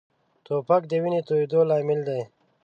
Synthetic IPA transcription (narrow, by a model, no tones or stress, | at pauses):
t̪oːpɐk̚d̪əwinit̪oid̪oːlaːmild̪aj